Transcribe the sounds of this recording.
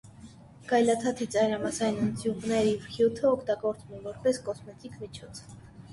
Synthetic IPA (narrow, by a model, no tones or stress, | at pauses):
kɑjlɑt̪ʰɑt̪ʰit͡sɑjɾɑmɑsɑjnənt͡s̪juʁnɛɾjɛvχjut̪ʰəɔkʰt̪ɑɡɔɾt͡smumvɔɾpɛskɔsmɛt̪ikʰmit͡ʃʰɔt͡sʰ